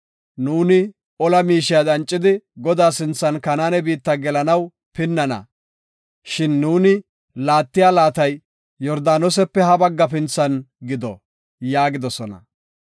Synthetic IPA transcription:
nuːnɪ | ɔlɐmiːʃɪjad̪ɐnt͡ʃʼːɪd̪ɪɡɔd̪aːsɪnt͡sːɐnkɐnaːnɛbiːt̪ːɐɡɛlɐnɐw | pɪnːɐnɐ̰ | ʃɪnːuːnɪ | laːt̪ːɪjaːlaːt̪ɐj | jɔɾd̪aːnɔs̬ɛpːɛhɐbɐɡːɐp̬ɪnt͡sːɐnɡɪd̪ɔ | jaːɡɪd̪ɔsɔnɐ̰

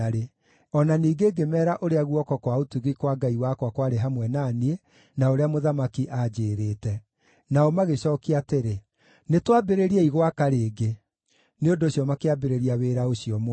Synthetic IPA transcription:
aɾe | ɔnaniːɡeɡemɛːɾaʔoɾeaɣuɔkɔkwaotuɣikwaɡaiwaːkwakwaɾeɦamwɛnanie | naoɾeamoðamakiʔad͡ʒeːɾeːtɛ | naɔmaɣeɕɔːkiateɾe | netwabeɾeɾieiɣwakaɾeːɡe | neondoːɕjɔmakeabeɾeɾiaweːɾaoɕiɔm

